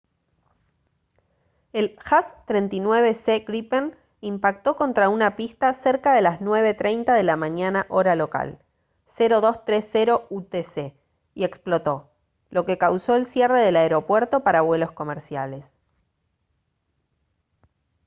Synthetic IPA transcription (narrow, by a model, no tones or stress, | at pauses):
e̞lxast̪ɾent̪inwe̞β̞e̞seɣɾipen | impak̚t̪o̞ko̞nt̪ɾaunapist̪aseɾkaðe̞laznwe̞β̞e̞t̪ɾejnt̪aðe̞lamãɲanaʔo̞ɾalo̞ka̰l | seɾo̞ðo̞st̪ɾesːeɾo̞ut̪ese | ie̞ksplo̞t̪o̞ | lo̞ke̞kawso̞elsjere̞ð̞e̞laeɾo̞pwe̞ɾt̪o̞paɾaːβwe̞lo̞sko̞meɾsjale̞s